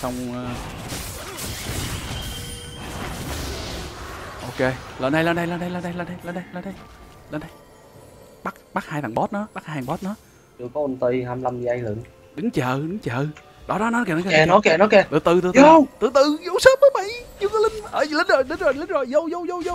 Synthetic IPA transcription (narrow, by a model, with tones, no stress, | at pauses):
sa˧wŋ͡m | ʔo˧ke˧ləː˨˩nɗə˧jləː˨˧˩nɗə˧jləː˨˧˩nɗə˧jləː˨˩nɗə˧jləː˨˩nɗə˧jləː˧˩nɗjləː˧˩nɗə˧jɗəː˨˧˩nɗə˧j | ɓa˦˥k̚ɓaː˦˥k̚haː˧jt̪a̰ː˨˩ŋɓɔ˦˥t̚nɔ˨˦ɓa˦˥ha˧˩a˨˩ɓɔ˦˥t̚nɔ˨˦ | t͡ɕəkɔ˨˦ə˨˧˩nt̪i˧haː˧mla˧mzɨ˨˧˨ʔa˧jlɨ̰˨n | ɗɨ˨˦ŋt͡ɕəː˨ɗɨ˨˦ŋt͡ɕəː˨ | ɗɔ˨˦ɗɔ˨˦nɔ˨˦kɛː˨˩nɔ˨˦kːɛ˨˧nɔ˨˦kɛ˨nɔ˨˦kɛ˧˩t̪ɨ˨t̪ɨ˨˩t̪ɨ˨˩˨wt̪ɨ˨˧˨t̪ɨ˨˩zo̰˧˨˦wsəː˦˥p̚məː˧˦ɓa˧˨˦jɲɨ˧kə˨˧˦lï˧ŋ̟ʔəː˨˩i˨li˧˦nzo˨˩jli˧˦nzo˨˩jli˧nzo˨˩jzə˧wzə˧wzə˧wzə˧w